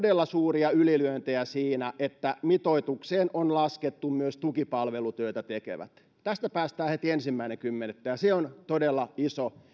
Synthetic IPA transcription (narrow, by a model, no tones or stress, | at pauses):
delːɑsuːriɑylilyønt̪eæsiːnæʔet̪ːæmit̪oit̪ukseːnʔonlɑsket̪ːummyøst̪ukipɑlʋelut̪øit̪æt̪ekḛʋæ̰t̪ | t̪æst̪æpæːst̪æːhet̪iensimːæineŋkymːenet̪ːæjɑseont̪odelːɑiso